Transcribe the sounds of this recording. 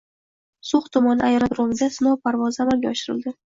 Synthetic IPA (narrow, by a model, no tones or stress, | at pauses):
sʊχt̪ʰʊmɒnɪajɾad̪ɾomɪd̪asɪnɒwpʰaɾvɒzamalɡʲaɒʃɪɾɪ̰lˠd̪ɪ